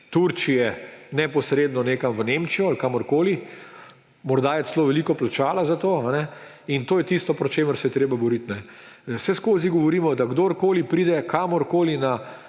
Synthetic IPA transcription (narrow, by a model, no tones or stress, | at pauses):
t̪uɾt͡ʃijɛnɛpɔsɾeːd̪nɔneːkamʋəneːmt͡ʃijɔalkaːmɔɾkoːli | mɔɾd̪aːjɛsloːʋɛliːkɔplat͡ʃaːlazat̪oːanɛint̪oːjɛt̪ist̪ɔpɾɔt͡ʃeːməɾsɛjɛt̪ɾeːbabɔɾit̪nɛsɛskoːziɡɔʋɔɾiːmɔd̪aɡd̪oɾkoːlipɾiːd̪ɛkʰaːmɔɾkoːlina